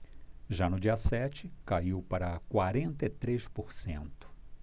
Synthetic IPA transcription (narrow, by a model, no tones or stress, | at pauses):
ʒanʊd͡ʒiɐsɛt͡ʃɪkaiwpaɾɐkwaɾẽnt̪ɐɪt̪ɾespoɾsḛ̃nt̪ʊ̥